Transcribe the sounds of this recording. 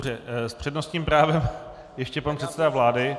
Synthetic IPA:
rɛspr̝̥ɛdno̞st̪ɲiːmpɾaːvɛm | jɛʃcɛpanpr̥ɛt̪sɛdavlaːdɪ

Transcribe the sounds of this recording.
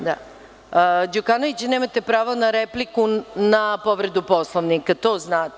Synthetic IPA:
d̪a̰ | d͡ʑukanoʋit͡ɕne̞ːmat̪epɾaːʋonaɾeplikunapo̞ʋɾe̞d̪upo̞slˠoʋnikat̪o̞ːznaːt̪

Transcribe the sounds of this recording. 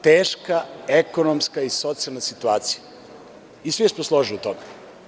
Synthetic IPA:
t̪eːʃkaekonomskaisot̪sialnasit̪uaːt̪si̥ja | isʋismoslˠoʒiliut̪ome

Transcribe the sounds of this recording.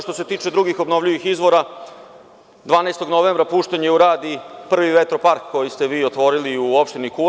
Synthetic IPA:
ʃt̪o̞se̞t̪iːt͡ʃe̞d̪ɾuɡixo̞bno̞ʋʎiʋixizʋo̞ɾa | d̪ʋaːnajst̪o̞ɡno̞ʋeːmbɾapuːʃt̪eɲeuɾaːd̪ipr̩ʋiʋet̪ɾo̞paɾkːo̞jist̪e̞ʋiːot̪ʋo̞ɾiliuo̞pʃt̪iniku

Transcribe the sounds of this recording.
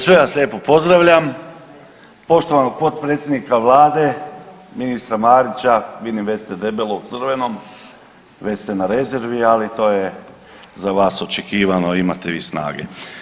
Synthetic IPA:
sʋe̞ʋaslʎʲeːpo̞po̞zd̪ɾaʋʎam | po̞ʃt̪o̞ʋanoɡ̚po̞t̪̚pɾet̪sʲjed̪nikaʋlˠaːd̪e | minist̪ɾamaːɾit͡ɕaʋid̪imʋe̞st̪ed̪e̞belˠout̪sr̩ʋe̞no̞m | ʋe̞st̪enaɾe̞zeɾʋialit̪o̞ːje | zaʋaːso̞t͡ʃekiːʋano̞ima̰t̪eʋḭːsna̰ːɡḛ

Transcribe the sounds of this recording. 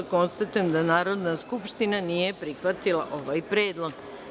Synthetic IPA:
ko̞nst̪at̪ujemd̪anaːɾo̞d̪naskupʃt̪inanije̞pɾixʋat̪ilˠa̰ʔo̞ʋajpɾeːd̪lˠo̞ɡ

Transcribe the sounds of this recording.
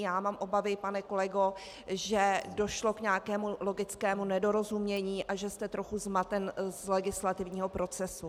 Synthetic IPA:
jaːmaːmʔo̞bavɪpanɛko̞lɛɡo̞ | ʒɛdo̞ʃlo̞kɲaakɛːmulo̞ɡɪt͡skɛːmunɛdo̞ɾo̞zumɲɛɲiːʔʔaʒɛst̪ɛt̪ɾo̞xuzmat̪ɛnzlɛɡɪslat̪ɪvɲiːɦo̞pɾo̞t͡sɛsu

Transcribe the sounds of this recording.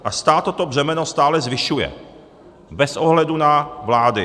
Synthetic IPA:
ʔast̪aːt̪o̞t̪o̞br̝ɛmɛno̞st̪aːlɛzvɪʃujɛ̰ | bɛsʔoɦlɛdunavlaːdɪ

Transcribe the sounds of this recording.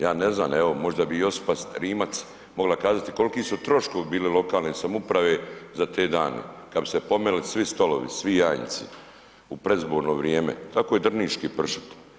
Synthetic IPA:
jaːneznaːmeʋo̞mo̞ʒd̪abijo̞spast̪ɾiːmat̪s | mo̞ɡlakaːzat̪i̥ko̞likiːsut̪ɾo̞ʃkoʋibiːlilo̞kaːlnesamupɾaʋezat̪eːd̪aːnḛkad̪bi̥sepo̞melisʋist̪o̞lo̞̰ʋḭsʋijaːjn̰t̪sḭ | upɾezboːɾno̞ʋɾjeːmḛt̪akojed̪r̩niːt͡ʃkipr̩ʃi̥t̪

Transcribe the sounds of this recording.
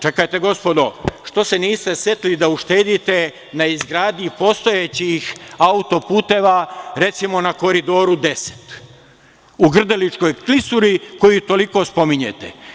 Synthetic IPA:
t͡ʃe̞kajt̪e̞ɡo̞spo̞d̪o̞ʃt̪o̞se̞niːst̪e̞sjet̪lid̪auʃt̪e̞ːd̪it̪e̞ | naizɡɾaːd̪ɲipo̞st̪o̞jet͡ɕixaut̪o̞puːt̪e̞ʋaɾe̞t̪simo̞nako̞ɾid̪o̞ːɾud̪e̞se̥t̪ | uɡr̩d̪elit͡ʃko̞jklisuɾiko̞jut̪o̞liko̞spo̞miɲḛt̪ḛ

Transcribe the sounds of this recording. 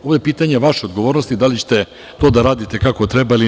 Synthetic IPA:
oʋojepiːt̪aɲe̞ʋaʃeo̞d̪ɡoʋo̞ːɾnost̪id̪alit͡ɕe̥t̪e̞ | t̪o̞ːd̪aɾaːd̪it̪e̞kakot̪ɾebaili

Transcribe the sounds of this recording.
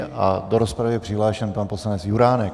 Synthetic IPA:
ʔa̰doɾospɾavjɛpr̥ɪɦlaːʃɛnpanpo̞slanɛt͡sjuɾaːnɛk

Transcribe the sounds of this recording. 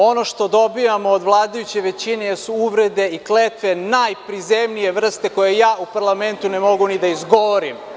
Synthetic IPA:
o̞noʃt̪o̞d̪o̞bijamoːd̪ʋlˠaːd̪ajut͡ɕe̞ʋet͡ɕine̞jɛsuuʋɾed̪e̞iklet̪ʋe̞najpɾizemnije̞ʋr̩st̪eko̞jejaːupaɾlˠament̪unemo̞ɡunid̪aizɡoʋoɾim

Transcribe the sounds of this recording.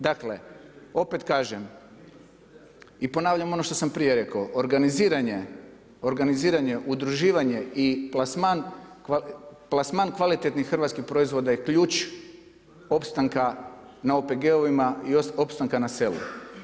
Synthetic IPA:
d̪akle̞o̞pet̪kaːʒem | ipo̞naːʋʎamo̞no̞ʃt̪o̞sampɾiːje̞ɾe̞kaoʔoɾɡaniziːɾaɲe̞ | o̞ɾɡaniziːɾaɲe̞ʔud̪ɾuʒiːʋaɲe̞iplasmankaplˠasmankʋalit̪et̪nixxr̩ʋat̪skixpɾo̞izʋo̞d̪ajekʎuːt͡ʃ | o̞pst̪aŋka | naope̞ɡe̞o̞ʋimaioo̞pst̪aŋkanase̞lṵ

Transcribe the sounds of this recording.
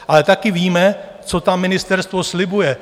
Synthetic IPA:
ʔalɛt̪akɪviːmɛ | t͡sot̪amːɪnɪst̪ɛɾst̪vo̞slɪbujɛ

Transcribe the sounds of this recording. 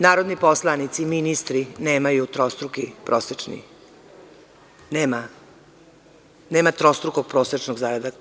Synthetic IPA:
naːɾod̪niposlˠanit̪siminist̪ɾineːmajut̪ɾost̪ɾukipɾʔoːset͡ʃnḭ | neːma | neːmat̪ɾost̪ɾuko̞ɡ̚pɾoːset͡ʃnoɡzaːɾad̪a

